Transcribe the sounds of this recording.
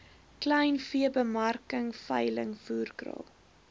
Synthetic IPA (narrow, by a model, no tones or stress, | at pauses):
klɛjnfiəbəmɐrkəŋfɐjləŋfuːrkrɑ̰lˠ